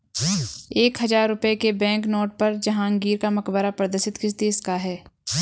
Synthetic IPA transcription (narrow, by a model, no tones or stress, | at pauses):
eːkɦɐzaːɾːʊpekebɛ̃ːŋknɔːʈ̚pɐɾd͡ʒɐɦãːə̃ŋɡiːɾkamɐkbəɾapɾəd̪əɾʃɪt̪kɪsd̪eːskaɦɛː